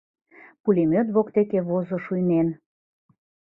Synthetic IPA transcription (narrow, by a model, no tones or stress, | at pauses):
pulemøt̪βokt̪ekeβozŏʃujnen